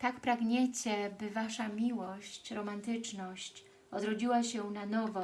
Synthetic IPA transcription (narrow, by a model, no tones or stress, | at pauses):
t̪akpɾaɡɲet͡ɕɛbɘvaʂamʲiwɔɕt͡ɕɾɔmant̪ɘt͡ʂnɔɕt͡ɕ | ɔd̪ɾɔd͡ʑiwaɕɛnanɔvɔ